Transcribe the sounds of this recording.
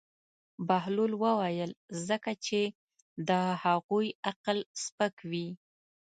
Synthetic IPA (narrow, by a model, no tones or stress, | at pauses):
bahlulwəwajəlzəkat͡ʃe | d̪əhaɣujaqlspəkwi